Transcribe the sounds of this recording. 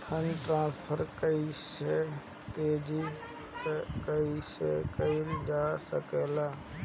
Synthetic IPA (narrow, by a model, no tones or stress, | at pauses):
t̪ʰənʈɾãːspʰəɾkəise | t̪eːd͡ʒi | kəisekəild͡ʒaːsəkelaː